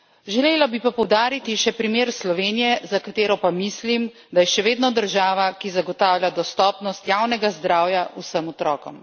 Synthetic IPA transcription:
ʒɛleːlabipapɔwd̪aːɾit̪iʃɛpɾimeːɾslɔʋeːnijɛzakat̪eːɾɔpamislim | d̪ajɛʃɛʋeːd̪nɔd̪əɾʒaːʋakizaɡɔt̪aːwlʲjʲad̪ɔst̪ɔːpnɔst̪jaːwnɛɡazd̪ɾaːwjausəmɔt̪ɾɔːkɔ̰m

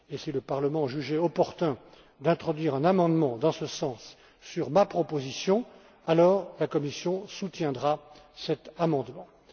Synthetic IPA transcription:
esiləpaʁləmɑ̃ʒyʒɛɔpɔʁt̪ɛ̃ | d̪ɛ̃t̪χɔd̪ɥiʁɛ̃namɑ̃d̪mɑ̃d̪ɑ̃səsɑ̃sː | yʁmapχɔpozisjɔ̃ | alɔːʁlakɔmisjɔ̃sut̪jɛ̃d̪ʁasɛt̪amɑ̃d̪mɑ̃

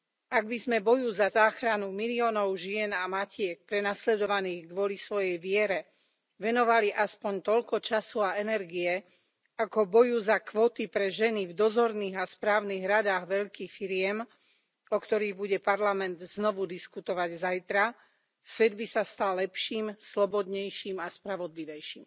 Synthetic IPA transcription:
aɡbizmɛbɔjuzazaːxɾanumiliɔːnɔʊʒɪɛnamacɪɛk̚pɾɛnaslɛd̪ɔʋaniːɣɡʋɔlisʋɔjɛjʋɪɛɾɛ | ʋɛnɔʋaliʔaspɔɲt̪ɔʎkɔt͡ʃasuaɛnɛɾɡiɛ | akɔbɔjuzakʋɔt̪ipɾɛʒɛnivd̪ɔzɔɾniːɣaspɾaːʊniɣɾad̪aːɣʋɛʎkiːxfiɾɪɛm | ɔkt̪ɔɾiːɣbuɟɛpaɾlamɛnd̪znɔʋud̪iskut̪ɔʋaɟzajt̪ɾa | sʋɛd̪bisast̪alːɛpʃiːmslɔbɔd̪ɲɛjʃimaspɾaʋɔd̪liʋɛjʃim

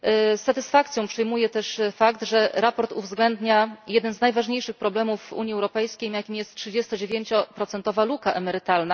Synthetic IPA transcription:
sat̪ɘsfakt̪sʲjɔ̃w̃pʂɛjmujɛt̪ɛʂfakt̪ʐɛɾapɔɾt̪uvzɡlɛnd̪ɲajɛd̪ɛnznajvaʐɲejʂɘxpɾɔblɛmuvṵɲjiɛwɾɔpɛjskʲejmjakʲimjɛst̪̚tʂɘd͡ʑɛst̪ɔd͡ʑevʲjeɲt͡ɕɔpɾɔt̪sɛnt̪ɔvalukaʔɛmɛɾɘt̪alna

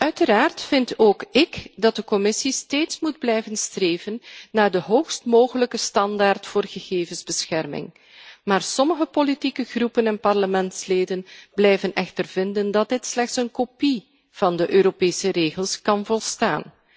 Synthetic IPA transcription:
œɥtəɾaːrtfɪntoːkɪkdɑt̚dəkɔmɪsisteːtsmud̚blɛjvənstreːvənːaːrdəɦoːxstmoːɣələkəstɑndaːrtfoːrɣəɣeːvənzbəsxɛrmɪ̰ŋ | maːrsɔməɣəpolitikəɣrupənɛnpɑrləmɛntsleːdənblɛjvənɛxtərvɪndəndɑt̚dɪtslɛxtsənkopi | v̥ɑndəʔøːɾopeːsəɾeːɣəlˠskɑnvɔlˠsta̰ːn

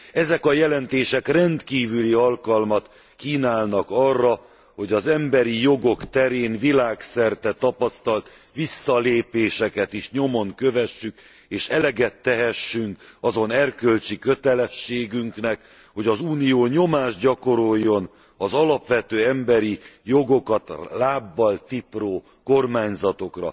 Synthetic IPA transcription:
ɛzɛkɒjɛlɛnt̪eːʃɛkrɛnt̪kiːvyliɒlkɒlmɒt̪ | kiːnaːlnɒkɒrːɒ | ho̞ɟɒzɛmbɛɾijo̞ɡo̞kt̪ɛɾeːnvilaːksɛrt̪ɛt̪ɒpɒst̪ɒlt̪ | ʋisːɒleːpeːʃɛkɛt̪iʃɲo̞mo̞ŋkø̞vɛʃːyk | eːʃɛlɛɡɛt̪ːɛɦɛʃːyŋkɒzo̞nɛrkø̞lt͡ʃikø̞t̪ɛlɛʃːeːɡyŋknɛk | ho̞ɟɒzuːnijoːɲo̞maːʒɟɒko̞ɾo̞jːo̞n | ɒzɒlɒpʋɛt̪øːɛmbɛɾijo̞ɡo̞kɒt̪laːbːɒlt̪iproː | ko̞rmaːɲzɒt̪o̞krɒ̰

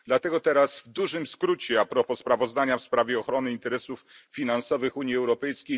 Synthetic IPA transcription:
d̪lat̪ɛɡɔt̪ɛɾasvd̪uʐɘmskɾut͡ɕɛapɾɔpɔspɾavɔzd̪aɲafspɾavʲjɛɔxɾɔnɘint̪ɛɾɛsufːʲ | inansɔvɘxuɲjiɛwɾɔpɛjskʲej

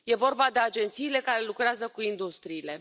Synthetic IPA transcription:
je̞vo̞rbad̪e̞ad͡ʒe̞nt̪siːle̞kaɾe̞lukɾeazəkuind̪ust̪ɾiːle̞

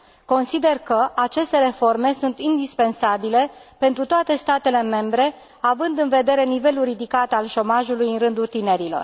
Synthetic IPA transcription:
ko̞nsid̪e̞rkəʔat͡ʃe̞st̪e̞ɾe̞fo̞rme̞sunt̪ind̪ispe̞nsabile̞pe̞nt̪ɾut̪oat̪e̞st̪at̪e̞le̞me̞mbɾe̞ | avɨnd̪ɨnve̞d̪e̞ɾe̞nive̞luɾid̪ikat̪alʃo̞maʒulujɨnɾɨnd̪ult̪ine̞ɾilo̞̰r

